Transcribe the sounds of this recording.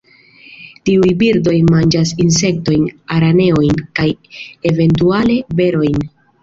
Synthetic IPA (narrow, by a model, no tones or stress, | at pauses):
tiujbiɾdo̞jmand͡ʒasins̬e̞k̚to̞jnaɾane̞o̞jnkajeve̞ntuale̞be̞ɾo̞jn